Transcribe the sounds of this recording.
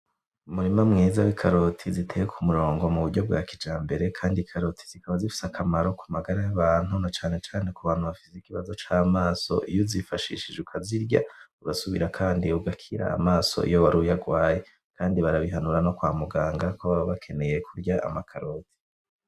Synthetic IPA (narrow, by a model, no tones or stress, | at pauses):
umuɾimamŋiːzawikʰaɾo̞tʰizitʰe̞jekʰumuɾo̞ːŋɡo̞muβuɟo̞b̚ɡwa̰ːkid͡ʒaːmbe̞ɾe̞kʰaːndikʰaɾo̞tʰi̥z̥ikaβazifi̥sakʰamaɾo̞kumaɡaɾajaβaːn̥hunat͡ʃaːne̞t͡ʃaːne̞kuβaːn̥huβafi̥seikiβazo̞t͡ʃaːmaːso̞̰ʔijuzifaʃḭʃid͡ʒukʰaziɾɟa̰uɡasuβḭɾakʰaːndiuɡakʰiɾa̰a̰maːso̞̰ʔḭjo̞βaɾujaɡwaːje̞ | kʰaːndiβaɾaβiɦanuɾano̞kwaːmuɡaːŋɡakoβaβaβakʰe̞ne̞jekʰuɾɟaʔa̰makʰaɾoːti̥